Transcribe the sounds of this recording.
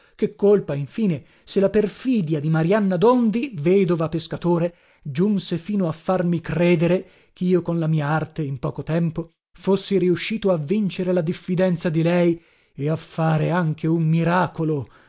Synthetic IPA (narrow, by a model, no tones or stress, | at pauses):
kekːolpaiɱfiːne | selːaperfiːd̪jad̪imaɾianːad̪ond̪iveːd̪ovapeskat̪oːɾe | d͡ʒunsefiːnoafːarmikrɛːd̪eɾe | keiːokonlamiːaart̪eimpɔːkot̪ɛmpo | fosːiɾiuʃːiːt̪oavːint͡ʃeɾelad̪ifːid̪ɛnt̪sad̪ilɛj | eafːaːɾeaŋk̟ʰeumːiɾaːkolo